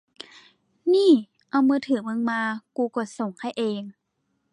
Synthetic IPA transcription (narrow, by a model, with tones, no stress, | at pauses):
niː˥˩ | ʔa˧wmɯː˧t̪ʰɯː˨˩˦mɯ˧ŋmaː˧kuː˧kɔː˧˩so˨˩˦ŋhʰa˧˥˩jʔeː˧ŋ